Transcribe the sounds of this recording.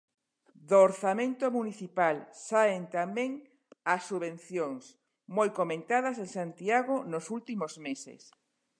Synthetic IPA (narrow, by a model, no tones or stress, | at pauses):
d̪oːɾθamẽnt̪omuniθipalsaent̪amẽŋ | asːuβẽn̟θjoŋs | mojkomẽnt̪aðɐsẽŋsant̪iaɣonosult̪imozmesḛs